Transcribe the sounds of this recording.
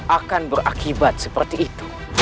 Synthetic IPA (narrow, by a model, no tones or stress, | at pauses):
ʔakanbərʔa̰kibat̪̚səpərt̪iʔːt̪u̥